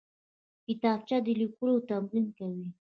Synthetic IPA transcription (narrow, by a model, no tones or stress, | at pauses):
kɪt̪ɑb̚t͡ʃad̪əlikuɾowt̪amɾinkawi